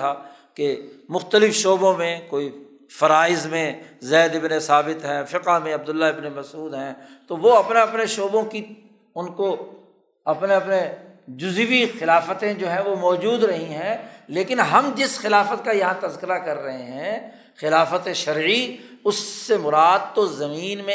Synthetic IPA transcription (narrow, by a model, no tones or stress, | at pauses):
a | kemʊxt̪əlɪfʃoːbõmẽkoːi | fɐɾaːɪzmẽzɛːd̪ɪbnesaːbɪt̪ɦɛ̃fɪqamẽɐb̚d̪ʊlːaɦɪbnemɐsuːd̪ɦɛ̃ːt̪oʋoɐpneɐpneʃoːbõki | ʊnko | ɐpneɐpned͡ʒʊzʋixɪlaːfət̪ẽd͡ʒoːɦɛ̃ʋomɔːd͡ʒuːd̪ɾɐɦĩɦɛ̃leːkɪnɦɐmd͡ʒɪsxɪlaːfət̪kajɐɦãt̪ɐzkɪɾakɐɾːɐɦeɦɛ̃ | xɪlaːfət̪eʃɐɾʕi | ʊsːemʊɾaːd̪̚t̪ozɐmiːnmẽ